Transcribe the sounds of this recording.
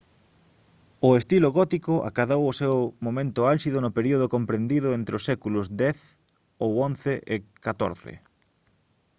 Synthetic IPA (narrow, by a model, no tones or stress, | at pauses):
ʊest̪iloɣɔt̪ikʊʔa̰kaðowʊsewmomẽnt̪ʊalsiðʊnʊpeɾioð̞ʊkompɾend̪iðʊent̪ɾɪosɛkulʊzd̪ɛθ | owonθeʔɪkat̪o̰ɾθɪ̰